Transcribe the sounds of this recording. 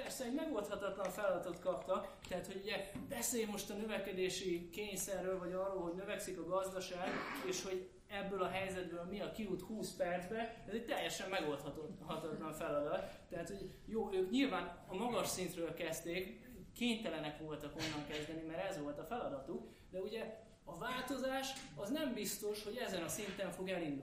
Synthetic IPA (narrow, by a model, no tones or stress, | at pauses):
pɛrsɛɛɟmɛɡo̞lt̪hɒt̪ɒt̪lɒɱfɛlɒd̪ɒt̪o̞t̪kɒpt̪ɒkt̪ɛɦat̪ho̞ɟuɟɛbɛseːjmo̞ʃt̪ɒnøvɛkɛd̪eːʃikeːɲsɛrːøːlvɒɟɒrːoːlɦo̞ɟnøvɛksikɒɡɒzd̪ɒʃaːɡeːʃho̞ɟ | ɛbːøːlɒɦɛjzɛd̪bøːlmiɒkiut̪huːspɛrd̪zbɛɛzɛc̚t̪ɛjːɛʃɛmːɛɡo̞lt̪hɒt̪oɦɒt̪ɒt̪lɒɱfɛlɒd̪ɒt̪ːɛɦat̪ho̞ɟ | joːøːkɲilvaːnɒmɒɡɒʃsint̪røːlkɛst̪eːkː | eːɲt̪ɛlɛnɛkʋo̞lt̪ɒko̞nːɒŋkɛzd̪ɛnimɛɾɛzʋo̞lt̪ɒfɛlɒd̪ɒt̪uk | d̪ɛuɟɛ | ɒvaːlt̪o̞zaːʃɒznɛmbist̪o̞ʃho̞ɟɛzɛnɒsint̪ɛɱfo̞ɡɛlind̪